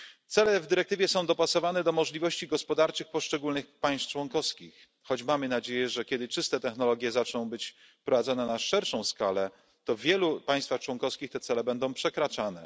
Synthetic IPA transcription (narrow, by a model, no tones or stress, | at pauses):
t̪sɛlɛvd̪ɘɾɛk̚t̪ɘvʲjɛsɔ̃w̃d̪ɔpasɔvanɛd̪ɔmɔʐlʲivɔɕt͡ɕiɡɔspɔd̪aɾt͡ʂɘxpɔʂt͡ʂɛɡulnɘxpaj̃st̪t͡ʂwɔŋkɔfskʲix | xɔd͡ʑmamɘnad͡ʑejɛʐɛkʲɛd̪ɘt͡ʂɘst̪ɛt̪ɛxnɔlɔɡʲjɛzat͡ʂnɔ̃w̃bɘt͡ɕ | pɾɔvad̪zɔnɛnaʂɛɾʂɔ̃w̃skalɛ | t̪ɔvʲjɛlupaj̃st̪faxt͡ʂwɔŋkɔfskʲixt̪ɛt̪sɛlɛbɛnd̪ɔ̃w̃pʂɛkɾat͡ʂanɛ